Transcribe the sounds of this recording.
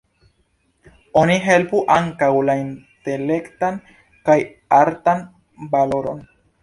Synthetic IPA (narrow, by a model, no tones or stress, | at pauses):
o̞niɦe̞lpuʔaŋkawlainte̞le̞ktan | kaj | aɾtan | baloɾo̞̰n